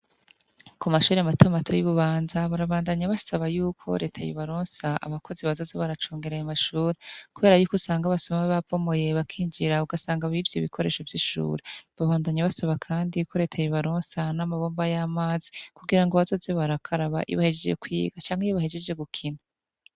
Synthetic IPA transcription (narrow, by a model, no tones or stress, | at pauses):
kumaʃuːɾeamatʰomatʰojiβuβaːnzaβaɾaβaːndaɲaβasaβajuːkʰo̞̰ɾe̞̰ːtʰajḭβaɾoːnsaʔa̰βako̞ziβazo̞zeβaɾat͡ʃoːŋɡe̞ɾajamaʃuːɾekuβe̞ːɾajuːkusaːŋɡaβasomaweβavo̞mo̞je̞βakʰiːɲd͡ʒiɾauɡasaːŋɡaβivjiβikʰo̞ɾe̞ːʃovjiʃṵːɾeβaβaːndaɲaβasaβakʰaːndiukʰo̞ɾe̞ːtʰajiβaɾoːnsanamaβo̞ːmbajamaːzi̥kuɡiɾaŋɡoβazo̞zeβaɾakʰaɾaβa̰ʔḭβahe̞d͡ʒe̞d͡ʒḛkwḭːɡ̥at͡ʃaːŋhejiβahe̞d͡ʒe̞d͡ʒe̞ɡukʰina